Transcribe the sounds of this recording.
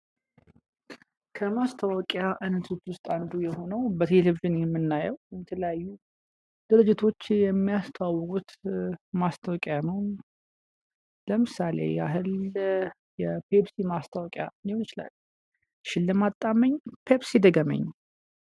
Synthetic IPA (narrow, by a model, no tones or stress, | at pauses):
kʰəmast̪ʰawɔkʼjaʔɨnːɨt̪ʰut͡ʃːwʊst̪ʼand̪ujɛho̞nəwbət̪ʰe̞leviʒɨnjɛmːɨnːajəwjɛt̪ʰələjajːu | d̪̥ɨɾɨd͡ʒɪt̪ʰo̞t͡ʃːjɛmːijast̪ʰəwawːɔkʼut̪mast̪ʰəwɔkʼjanəw | ləmɨsalḛjɛa̰ɦɨl | jɛpʰebsimast̪ʰawɔkʼja̰ɨnd̪ihonɨt͡ʃɪla̰lː | ʃɪlːəmat̪ʼːaməɲːpʰe̞bsid̪əɡəmə̰ɲː